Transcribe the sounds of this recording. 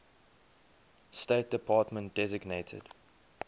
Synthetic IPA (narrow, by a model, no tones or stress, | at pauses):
steɪt̚d̥əpʰɑːtmə̃nt̚d̥ɛzɪɡneɪtʰə̰d̥